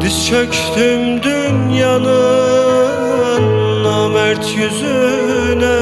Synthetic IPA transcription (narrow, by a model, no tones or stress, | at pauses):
d̪it͡ʃʰøc | d̪ymd̪ynjɑnɯ | nːɑmæɾt̪ʰjyzynɛ